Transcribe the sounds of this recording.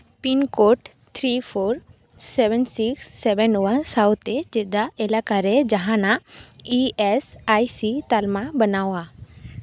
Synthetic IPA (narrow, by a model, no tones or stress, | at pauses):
pinkoʈ | t̪ʰɾifʰoɾ | seʋɛnsiksːɛʋɛnʋansawt̪ed͡ʒed̪aelakaɾed͡ʒaɦãnaiesajsit̪almabənawa